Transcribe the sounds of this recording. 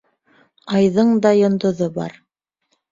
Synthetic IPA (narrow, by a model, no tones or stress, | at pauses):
ɑjðɤɴd̪ɑjŏnd̪ŏðobɑ̰ɾ